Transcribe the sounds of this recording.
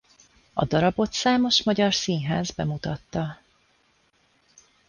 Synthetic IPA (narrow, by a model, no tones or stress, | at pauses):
ɒ̰d̪ɒɾɒbo̞t̪saːmo̞ʃmɒɟɒrsiːnɦaːzbɛmut̪ɒt̪ːɒ